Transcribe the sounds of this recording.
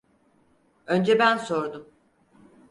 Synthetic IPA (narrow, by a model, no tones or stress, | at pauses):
ønd͡ʒɛbænso̞ɾd̪um